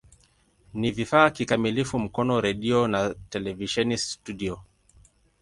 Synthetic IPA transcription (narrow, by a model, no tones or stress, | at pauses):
nivifaːkikamilifum̩kɔnɔɾɛɗiɔnatɛlɛviʃɛnistudiɔ